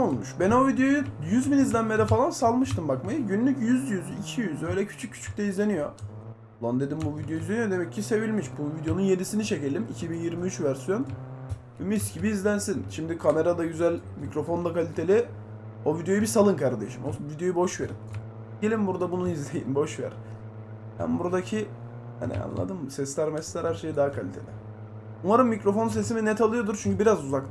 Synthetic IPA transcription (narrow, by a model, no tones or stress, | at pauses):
olˠmuʃbæno̞vid̪jo̞jujyzbinizlʲænmed̪ɛfalˠansalˠmɯʃt̪ɯmbakmajɯɟynlʲycjyzjyzicʰijyzø̞jlʲɛcʰy̥t͡ʃʰycʰːy̥t͡ʃʰy̥c̚ʲt̪ɛizlʲe̞nijo̞ | lˠand̪e̞d̪imbuvid̪joizlʲe̞nijo̞d̪e̞mɛcʰːise̞vilʲmiʃbunvid̪jo̞nunje̞nisinit͡ʃe̞celʲimicʰibinjiɾmiyt͡ʃvæɾsijo̞n | bmiscibiːzlʲænsinʃimd̪ikʰame̞ɾad̪aɟyzælʲ | micɾo̞fo̞nd̪akalʲit̪ʰe̞lʲi | o̞vid̪jo̞jbisalˠɯnkʰaɾd̪eʃimovid̪jo̞jubo̞ʃve̞ɾḭn | ɟe̞lʲimbuɾd̪abunuizlʲejḭmbo̞ʃvḛɾ | bæ̰nbuɾad̪acʰi | ha̰nḭa̰nlˠa̰d̪ɯmsɛslʲæɾmɛslʲæɾhæɾʃe̞jid̪aɦakʰalʲit̪ʰe̞̰lʲḭ | umaɾɯmːicɾo̞fo̞ns̬e̞s̬iminɛt̪ʰalˠɯjo̞d̪uɾt͡ʃʰyɲcybiɾazuzakt̪